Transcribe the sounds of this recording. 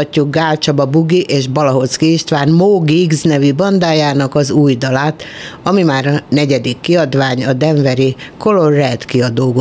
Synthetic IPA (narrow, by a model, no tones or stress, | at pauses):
cːuɡ̚ɡaːlt͡ʃɒbɒbuɡiʔeːʒbɒlɒɦo̞t̪skiʃt̪ʋaːnmoːɡiɡznɛvibɒnd̪aːjaːnɒkɒzuːjd̪ɒlaːt̪ɒmimaːɾɒnɛɟɛd̪ikːiɒd̪ʋaːɲɒd̪ɛɱvɛɾiko̞lo̞rrːɛt̪kiɒd̪oːɡo